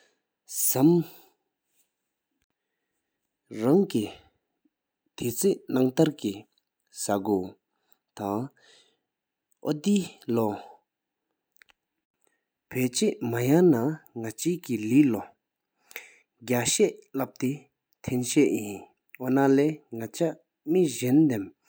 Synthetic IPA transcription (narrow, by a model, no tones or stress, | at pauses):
sam | ɹaŋki | t̪ʰet͡sʰeʔnaŋt̪aɹki | saɡøː | t̪aŋ | ʔod̪ilɔ | pʰøʔt͡ɕeʔmajanaŋat͡ɕiːkililɔ | ɡaɕɛʔlap̚t̪e | t̪ʰenɕɛʔjin | ʔɔnalɛːŋat͡ɕʰa | miʑɛnd̪em